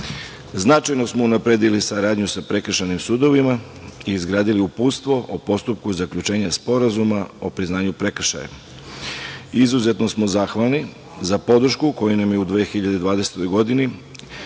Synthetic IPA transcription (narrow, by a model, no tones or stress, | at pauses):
znat͡ʃajno̞smounapɾe̞ːd̪ilisaɾaːd̪ɲusapɾe̞kr̩ʃanimsuːd̪o̞ʋima | iːzɡɾaːd̪iliupuːt̪st̪ʋo̞ʔopo̞st̪up̚kuzakʎut͡ʃe̞ːɲaspo̞ɾazumao̞pɾiznaːɲupɾe̞kr̩ʃa̰ja̰ | izuze̞t̪no̞smo̞zaxʋalˠni | zapo̞d̪r̩ʃkuko̞junamjeud̪ʋeːxiʎad̪e̞d̪ʋaːd̪e̞se̥t̪o̞jɡo̞d̪ini